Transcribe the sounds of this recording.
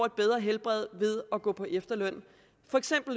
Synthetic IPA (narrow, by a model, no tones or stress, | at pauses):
e̝d̥̚b̥eð̞ˠʁɐɦelb̥ʁɛð̞̰ˠʋe̝ð̞ˠɒ̽ɡ̥ɔ̰̽ːpʰɒ̽ʔefd̥ɐlœn̰ | fɒ̽eɡ̥sem̰b̥l̩